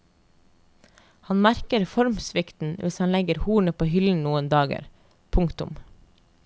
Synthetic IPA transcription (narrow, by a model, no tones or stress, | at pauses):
hɑnmæɾkəɾfɔɾmsʋɪkt̪n̩ʋʔɪshɑnlɛɡəɾhuːɳəpʰoːhʏln̩nuːənd̪ɑːɡə̰ɾ | pʰʊŋkt̪ʊ̰m